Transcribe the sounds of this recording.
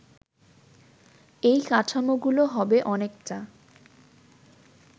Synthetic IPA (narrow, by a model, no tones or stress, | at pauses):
ejkaʈʰamoɡuloɦɔbeʔɔnekʈa